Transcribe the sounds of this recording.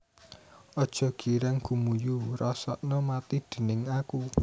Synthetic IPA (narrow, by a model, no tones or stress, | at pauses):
ɔd̥ʒ̥ɔ̤ɡ̥iɾaŋɡ̥umujurɔsɔ̰ʔnɔmat̪id̪̥e̤nɪŋaku